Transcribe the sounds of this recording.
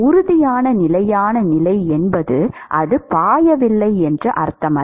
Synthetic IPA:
ʊɾʊðɪjaːnɐnɪlɐjaːnɐnɪlɐɪɛnbɐðɯʔɐðɯpaːjɐʋɪlːɐɪɛndrɐʔɐ̰ɾt̪ɐmɐ

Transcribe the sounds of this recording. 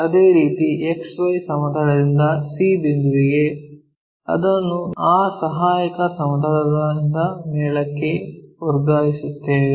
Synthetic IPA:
ɐd̪eːɾiːt̪ieksʋɐjsɐmɐd̪ʱɐɽɐd̪ind̪ɐsiːbind̪uɾiɡe̞ | ɐ̰d̪ɐnːuaːsɐɦaːjɐkɐsɐmɐd̪ʱɐlɐɡɐind̪ɐmɛːɭɐkːeuɾɡaːɦisut̪ːee

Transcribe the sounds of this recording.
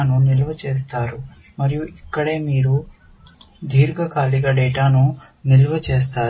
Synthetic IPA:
nunilɐʋɐt͡ʃeːst̪aːɾu | mɐɾijuʔikːɐɽe̞ːmiːɾu | d̪ʱiːɾɡɐkaːliɡaɖeːʈaːnu | nilɐʋɐt͡ʃeːs̬t̪aː

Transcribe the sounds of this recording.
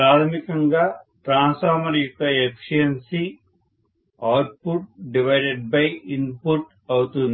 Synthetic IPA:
pɾaːt̪ʰɐmikɐŋɡaːʈɾaːnsfaːɾmɐɾjuk̚kːɐekʂijɐnsi | aːwɾʈ̚puʈ̚ɖiʋɐjɖeɖ̚bɐjinpuʈ | ɐwut̪und̪i

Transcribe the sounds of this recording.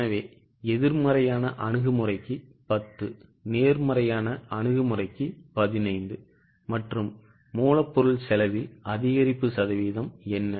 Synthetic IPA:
nɐʋeː | ɛðɪɾmɐɾɐjaːnɐʔɐɳɯɣɯmɯrɐɪkːɯpɐt̪ːɯ | neːɾmɐɾɐjaːnɐʔɐɳɯɣɯmɯrɐɪkːɯpɐðɪnɐɪnd̪ɯ | mɐʈrɯmː | uːlɐpːɔɾɯɭsɛlɐʋɪlɐðɪɣɐɾɪpːɯsɐðɐʋiːðɐmɛnːɐ

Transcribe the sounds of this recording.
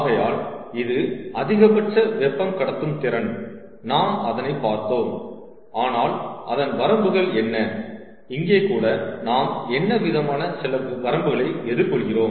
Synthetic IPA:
ɣɐjaːlɪðɯɐðɪɣɐpɐʈːɐʋɛpːɐmkɐɽɐt̪ːɯmt̪ɪɾɐn | naːmɐðɐnɐɪpːaːɾt̪oːm | aːnaːlʔɐðɐnʋɐɾɐmbɯɣɐɭɛnːɐ | ɪŋɡeːkːuːɽɐnaːmɛnːɐʋɪðɐmaːnɐsɪlɐʋɐɾɐmbɯɣɐɭɐɪɛðɯɾkɔɭɣɪroːm

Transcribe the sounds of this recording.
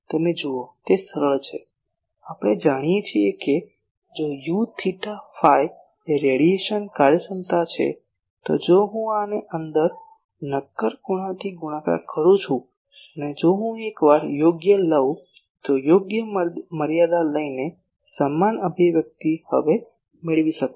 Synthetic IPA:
t̪əmed͡ʒuot̪esəɾəɭt͡ʃʰe | apəɽ̃ed͡ʒaɽ̃ijet͡ʃʰieke | d͡ʒojut̪ʰiʈafaj | eɾeɽieʃənkaɾjəsənt̪at͡ʃʰḛ | t̪o̰d͡ʒoɦũaneʔənd̪əɾ | nəkːəɾkuɽ̃ãt̪ʰiɡuɽ̃ãka̰kʰəɾũt͡ʃʰũ | əned͡ʒoɦũekʋaɾjoɡjələũ | t̪ojoɡjəməɾjad̪aləine | səmːanəbʱiʋjək̚t̪ihə̰ʋe | mɪɭʋiʃəkũ

